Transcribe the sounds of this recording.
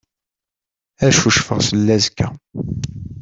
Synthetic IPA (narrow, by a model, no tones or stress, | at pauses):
æʃuʃfəʁsəlːæzkːæ